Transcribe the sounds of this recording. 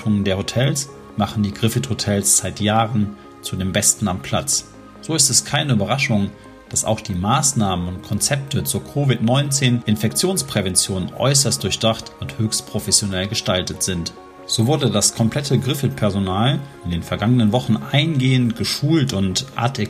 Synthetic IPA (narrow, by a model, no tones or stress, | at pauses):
ʊŋəndeːɐhotʰɛls | maχn̩diːɡʁɪfɪthotʰɛlsz̥aɪtjaːʁən | t͡sudeːmbɛstn̩ampʰl̥a̰t͡s | z̥oːɪstɛskʰaɪnəyːbɐʁaʃʊŋ | d̥asa̰ʊxd̥iːmaːsnaːmənʊnt̚kʰɔnt͡sɛp̚tʰət͡suːɐkʰoːvɪtnɔʏnt͡seːnʔɪnfɛkt͡sjoːnspʁ̥ɛvɛnt͡sjoːnʔɔ̰ʏs̬ɐst̚d̥ʊɐçd̥aχtʊnthøːçst̚pʁ̥ofɛsjonɛlɡəʃtaltətz̥ɪnt | z̥oːvʊɐdədaskʰɔmpl̥ɛtʰəɡʁɪfɪt̚pʰɛɐzonaːlʔɪndeːnfɛɐɡaŋənənvɔχn̩ʔaɪnɡeːəntɡ̥əʃuːltʊntʔa̰tʰɛ